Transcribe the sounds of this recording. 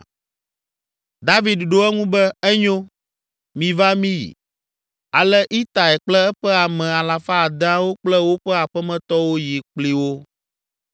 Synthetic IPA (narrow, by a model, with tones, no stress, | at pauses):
d̪a˦vi˨d̪ɖo˦ɛ˦ŋũ˦bɛ˦ɛ˦ɲõ˦ | mĩ˨va˦mĩ˦jḭ˨ | a˨lɛ˦ʔi˦t̪a˨ɛ˨k͡plɛ˦ɛ˦ɸɛ˦a˨mɛ̃˨a˨la˨fa˦˨d̪ã˦wo˦k͡plɛ˦wo˦ɸɛ˦a˨ɸɛ˦mɛ̃˨t̪ɔ˦wo˦ji˨k͡pli˦wo˦